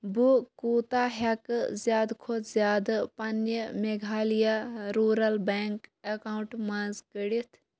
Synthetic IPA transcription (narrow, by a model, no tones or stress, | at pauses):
bukuːt̪aːɦɐkzjaːd̪kʰozjaːd̪pɐnjəmeɡʱaːlijaɾuːɾɐlbeŋkɐkaɳʈmaːnzkəɽit̪ʰ